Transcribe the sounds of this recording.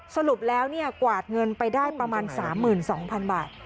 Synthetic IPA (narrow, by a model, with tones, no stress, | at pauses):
sa˧ɾu˨˩p̚lɛː˦˥wni˥˩ɐkwaː˨˩t̪̚ŋɤ˧npa˧jdaː˥˩jpɾa˧maː˧nsaː˩˦mːɯː˨˩nsɔː˩˦ŋpʰa˧nbaː˨˩t̪̚